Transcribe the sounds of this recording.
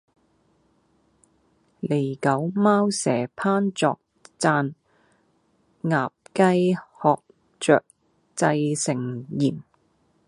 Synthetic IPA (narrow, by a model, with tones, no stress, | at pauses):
le˨˩jkɐ˨˥wmaː˥wsɛː˨˩pʰaː˥nt͡sɔ̰ː˨k̚ | t͡saː˧n | ŋaː˨p̚kɐ˥jhɔː˨k̚ | t͡ʃœ̰ː˨k̚ | t͡sɐ˧jsɪ˨˩ŋjiː˨˩m